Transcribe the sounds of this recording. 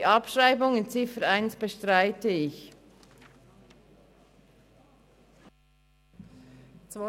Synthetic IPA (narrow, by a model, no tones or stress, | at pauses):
ʔɑpʃʁaɪbʊŋɪnt͡sɪfəɾaɪnsb̥əʃtʁaɪtəɪç | t͡s